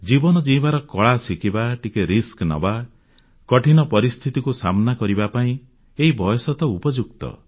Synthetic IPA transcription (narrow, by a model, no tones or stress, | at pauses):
d͡ʒibɔnɔd͡ʒĩbaɾɔkɔɭasikibaʈikeɾisknɔ̰ba | kɔʈʰinɔpɔɾist̪ʰit̪ikusamɔnakɔɾibapaĩ | eɦibɔjɔsɔt̪ɔupɔd͡ʒukt̪ɔ̰